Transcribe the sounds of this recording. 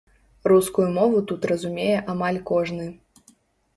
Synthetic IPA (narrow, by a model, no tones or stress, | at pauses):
ruskujumɔvut̪ut̪rɐzumʲejɛʔamalʲkɔʐnɨ